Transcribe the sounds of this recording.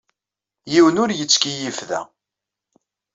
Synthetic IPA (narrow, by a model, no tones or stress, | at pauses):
jiwənʊɾjət͡sːkijifðæ̰